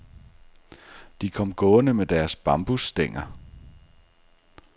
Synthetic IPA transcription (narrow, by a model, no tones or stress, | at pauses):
d̥ikʰɒ̽m̰ɡ̥ɔ̽ːnəmed̥æɐsb̥ɑ̈mb̥usd̥eŋ̰ɐ